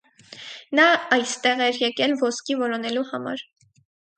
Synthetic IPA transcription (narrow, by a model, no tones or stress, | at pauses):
nɑɑjst̪ɛʁɛɾjɛkɛlvɔskivɔlɔnɛluhɑmɑ̰ɾ